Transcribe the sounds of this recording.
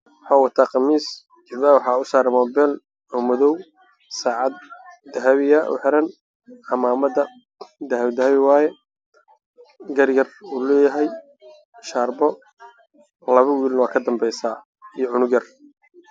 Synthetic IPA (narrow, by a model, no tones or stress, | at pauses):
wɑħaːwɑt̪ʰaːqɑmiːs | d͡ʒɪβaːwɑħɑːʊsaːɾɛmɔːbɛl | ɔːmʊðɔw | saːʕɑd̪̚ːɐɦɐβɪjɐʔʊ̰ħɪɾɐn | ɑmaːmɐdɐ | d̪ɐɦɐβd̪ɐhɐβɪwaːjɛ | ɡɐɾjɐruːlɛːjɐɦɛj | ʃaːrbɔ | lɐβɐwiːlwaːkʰɐd̪ɐmbɛjsaː | ijɔʕʊnʊɣɐr